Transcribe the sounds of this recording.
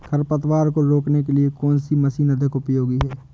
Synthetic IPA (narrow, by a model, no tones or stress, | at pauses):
kʰɐɾpət̪waːɾkoɾoːknekeliekɔːnsimɐsinɐd̪ʱəkʊpjoːɡiɦɛː